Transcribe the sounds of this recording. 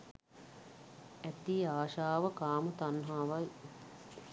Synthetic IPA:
æt̪iːaːʃaːʋəkaːmət̪anɦaːʋaj

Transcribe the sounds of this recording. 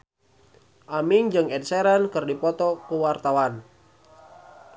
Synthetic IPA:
ʔamiŋd͡ʒɨŋɛd̚sɛɾənkɨrdipɔt̪ɔkəwart̪awan

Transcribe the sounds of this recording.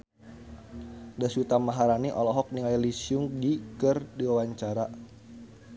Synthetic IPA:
dasut̪amaɦaɾaniʔɔlɔɦɔk̚niŋajlisjʊŋdikərdiwawaɲt͡ʃaɾa

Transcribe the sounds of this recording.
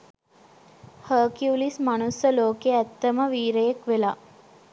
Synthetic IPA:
həːkiulismanusəloːkeæt̪ːəməʋiːɾəjekʋela

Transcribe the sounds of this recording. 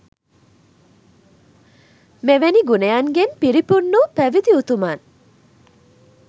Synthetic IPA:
meʋeniɡunejaŋɡenpiɾipunːupæʋid̪iut̪umaːn

